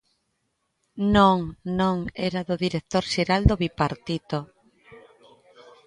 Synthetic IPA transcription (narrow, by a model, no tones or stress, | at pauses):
nõŋnõŋɛɾaðʊðiɾek̚t̪oɾʃeɾald̪oβipaɾt̪it̪o